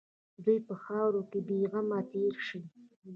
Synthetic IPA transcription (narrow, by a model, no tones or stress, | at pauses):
d̪ujpəxɑwɾokebiɣamat̪eɾʃi